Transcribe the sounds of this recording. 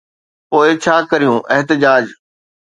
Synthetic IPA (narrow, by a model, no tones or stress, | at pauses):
poːɪt͡ɕʰaːkɐɾijũːʔɛɦt̪ɪd͡ʑaːd͡ʑ